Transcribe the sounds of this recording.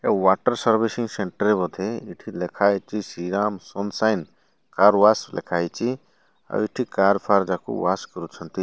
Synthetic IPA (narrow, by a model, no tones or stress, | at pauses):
eʋaːʈəɾsəɾʋisiŋɡseɳʈəɾebɔd̪ʱeiʈʰilekʰaːjt͡ʃisiɾaːmsɔnsajn | kaːɾʋaːslḛkʰaːjt͡ʃi | a̰ʋiʈʰikaːɾpʰaːɾd͡ʒakṵʋaːskəɾut͡ʃʰənt̪i